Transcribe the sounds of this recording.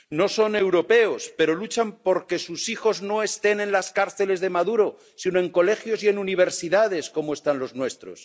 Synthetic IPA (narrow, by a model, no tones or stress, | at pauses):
no̞so̞ne̞wɾo̞pe̞ospe̞ɾo̞lut͡ʃampo̞ɾke̞susixo̞zno̞e̞st̪e̞ne̞nlaskaɾθe̞le̞zðe̞maðuɾo̞ | sinoe̞ŋko̞le̞xjo̞sie̞nuniβ̞e̞ɾsiðað̞e̞sko̞moe̞st̪anlo̞znwe̞st̪ɾo̞̰s